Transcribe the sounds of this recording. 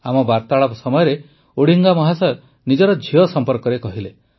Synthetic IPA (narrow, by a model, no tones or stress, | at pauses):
amɔbaɾt̪aɭɔpsɔmɔjɔɾe | oɽ̤iŋɡamɔɦasɔ | nid͡ʒɔɾɔd͡ʒʱiɔsɔmpɔɾkɔɾekɔɦile